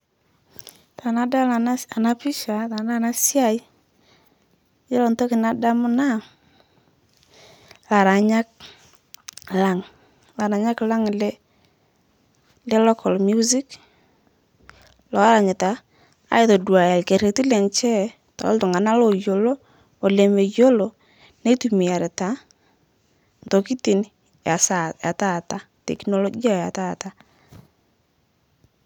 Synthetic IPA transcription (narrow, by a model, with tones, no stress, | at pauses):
tʰa˨na˨˦da˦la˨a˨na˦pi˦ʃa˨ta˨na˦˨na˦sja˦˨j | je˦lɔ˨nto˦kɪ˨na˦da˦mʊ˦na˦˨ | la˨ɾa˨ɲa˦k̚ | la˨ŋ | la˨ɾa˨ɲa˦kla˦ŋ˨lɛ˦ | lɛ˦lɔ˦kʰɔ˨lmju˦zi˦k | lɔ˨a˦ɾa˨ɲɪ˨ta˨ | a̰˦ɪ˦to˨dwa˨ja˨lke˨ɾe˨ti˦lɛ˨ŋt͡ʃɛ˦ | ta̰˨˦ltʊ˨ŋa˨na˦lo˨jo˨loː˦˨ | le˨me˨jo˦lo˨ | ne˦tu˨mi˨a˨ɾɛ˨ta˨˦ | nto˨ki˦ti˨n | ja˨sa˨ja˨ta˦˨ta˦ | tɛ̰˨knɔ˨lɔ˦ɡi˦a˦˨ja˨ta˦˨ta˦